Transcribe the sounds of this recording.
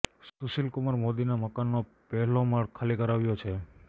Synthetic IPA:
susilkʊməɾmod̪inaməkanːo | pɛɦlomaɽkʰalikəɾaʋjot͡ʃʰe

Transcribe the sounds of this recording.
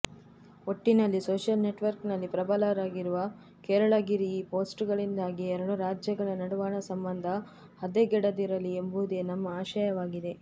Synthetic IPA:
oʈːinɐlːisoːʃjɐlneʈʋɐɾknɐlːipɾɐbɐlaːɾaːɡiɾuʋɐ | kɛːɾɐɭɐɡiɾiːpo̞ːsʈuɡɐɭind̪aːɡiɛɾɐɽuɾaːd͡ʒjɐɡɐɭɐnɐɽuʋaːɳɐsɐmbɐnd̪ʱɐ | hɐd̪eɡɛɽɐd̪iɾɐlːiembuud̪e̞nɐmːɐaːʃɐjɐʋaːɡid̪e̞

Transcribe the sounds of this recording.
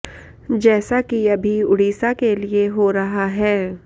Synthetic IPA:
d͡ʒɛːsakiɐbʱiʊɽ̤iːsakelieɦoːɾɐɦaɦɛː

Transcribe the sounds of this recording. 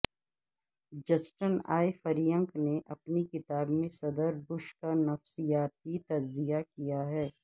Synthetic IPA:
d͡ʒɐsʈəna̰ːjfɐɾijə̃ŋkneʔɐpnikɪt̪aːbmẽsɐd̪əɾbʊʃkanɐfsijaːt̪it̪ɐd͡ʒzijakijaɦɛː

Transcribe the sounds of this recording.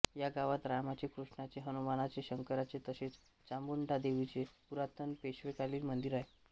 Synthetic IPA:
jaɡaʋat̪ɾamat͡ɕekɾuʂɳat͡seɦənumanat͡seɕəŋkəɾat͡set̪əset͡s | t͡ɕambuɳʈad̪eʋit͡sepuɾat̪ənpeɕʋekaliːlmənd̪iɾaj

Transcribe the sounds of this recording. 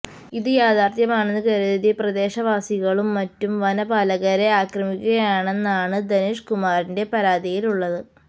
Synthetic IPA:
iðɨjaːd̪aːrt̪jɐmaːɳenːɨkɐɾuðiðiprɐd̪e̞ːʂɐʋaːsiɣɐɭumːɐtːumʋɐnɐbɐːlɐɣɐɾeaːkrɐmikʲːuɣɐjaːɳe̞nːaːɳɨd̪ɐniʂkumaːɾinde̞pɐɾaːd̪ijiluɭːɐðɨ

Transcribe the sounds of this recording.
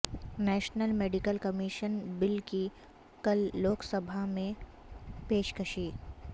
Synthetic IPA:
nɛːʃnəlmeːɖɪkəlkɐmiːʃənbɪlki | kɐlːoːksɐbʱamẽ | peːʃkəʃiː

